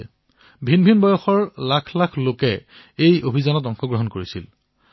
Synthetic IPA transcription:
bʱinbʱinbɔjɔxɔɹlakʰlakʰlokɛ | ejobʱizanɔtɔŋxɔɡɹɔɦɔnkoɹisḭl

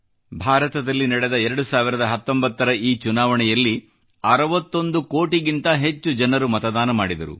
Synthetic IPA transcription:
bʱaːɾɐt̪ɐd̪ɐlːinɐɽɛd̪ɐɛɾɐɽusaːʋiɾɐd̪ɐɦɐt̪ːo̞mbɐt̪ːɐɾɐiːt͡ʃunaːʋɐɳɛjɐlːi | ɐɾɐʋɐt̪ːo̞nd̪uko̞ːʈiɡint̪ɐɦe̞t͡ʃːud͡ʒɐnɐɾumɐt̪ɐd̪aːnɐmaːɽid̪ɐɾṵ

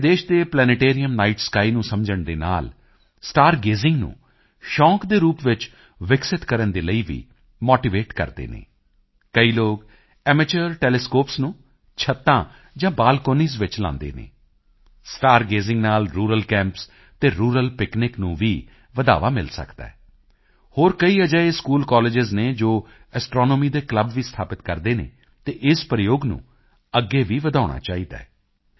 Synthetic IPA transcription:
d̪eːʃd̪eːplɛːnəʈeːɾijəmnaːiːʈskaːiːnũːsəmd͡ʒəɳd̪eːna̰ːl | sʈaːɾɡeːzɪŋɡnṵ̃ː | ʃɔ̃ːkd̪eːɾuːpʋɪt͡ʃ | ʋɪksɪt̪kəɾənd̪eːləiːʋḭː | moːʈiːʋeːʈkə̰ɾd̪ḛːnḛː | kəiːloːɡ | ɛːmət͡ʃəɾʈɛːlɛskoːpsnũː | t͡ʃʰət̪ːãː | d͡ʒãːbaːlkoːniːzʋɪt͡ʃlã̰ːnd̪ḛːnḛ̃ː | sʈaːɾɡeːzɪ̃ŋɡnaːlɾuːɾəlkɛ̃ːmps | t̪eːɾuːɾəlpɪknɪknũːʋiː | ʋəd̪a̰ːʋaːmɪ̰lsə̰kd̪a̰ːɛ | hoːɾkəiːəd͡ʒaːeːskuːlkɔːlɪd͡ʒɪzneːd͡ʒoː | ɛsʈɾɔːnoːmiːd̪eːkləbʋiːst̪ʰaːpɪt̪kəɾd̪eːnḛː | t̪eːʔɪspəɾɪjoːɡnṵ̃ː | əɡːeːʋiːʋəd̪aːɽ̃a̰ːt͡ʃaːiːd̪a̰ːɛ

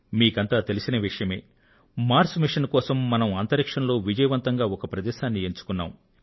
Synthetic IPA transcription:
miːkɐnt̪aːt̪e̞lisinɐʋiʂɐjɐme̞ː | maːɾsmiʂɐnkɔːsɐmːɐnɐmaːnt̪ɐɾikʂɐnlo̞ːʋid͡ʒɐjɐʋɐnt̪ɐŋɡaːɔkɐpɾɐd̪ɛːʃaːnːieɲt͡ʃu̥kunːaːm

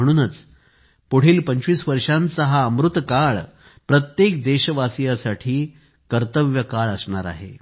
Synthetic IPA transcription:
əɽ̃uːnət͡s | poɽ̤iːlpəɲt͡ɕʋiːsʋəɾʂant͡səɦaəmɾut̪kaɭ | pɾət̪jekd̪eɕəʋasjasaʈʰiː | kəɾt̪əʋjəkaɭəsɳaɾa̰ɦḛ

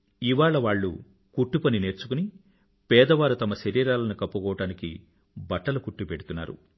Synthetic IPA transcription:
iʋaːɭɐʋaːɭːṵ | kuʈːupɐnine̞ːɾt͡ʃukuni | pɛːd̪ɐʋaːɾut̪ɐmɐʃɐɾiːɾaːlɐnukɐpːukɔːʋɐʈaːnikḭ | bɐʈːɐlukuʈːupeɽut̪unːa̰ːɾṵ

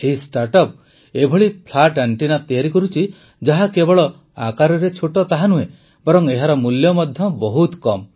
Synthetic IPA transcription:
eisʈaɾʈɔp̚ | ebʱɔɭipʰlaʈaɳʈinap̚t̪ijaɾikɔɾut͡ʃʰi | d͡ʒaɦakebɔɭɔ | a̰kaɾɔɾet͡ʃʰoʈɔt̪aɦanue | bɔɾɔŋeɦaɾɔmuljɔmɔd̪ʱjɔbɔɦut̪kɔm

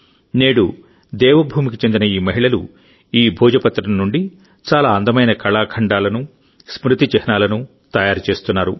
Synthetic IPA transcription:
neːɽu | d̪ɛːʋɐbʱuːmikit͡ʃend̪inɐiːmɐɦiɭɐlṵ | iːbʱuːd͡ʒɐpɐt̪ːɾɐmnːuɳɖi | t͡ʃaːlaːɐnd̪ɐmɐjnɐkʰɐɭaːkʰɐɳɖaːlɐnu | smɾut̪it͡ʃɛɦɐnaːlɐnu | t̪ɐjaːɾut͡ʃe̞ːst̪unːaːɾu

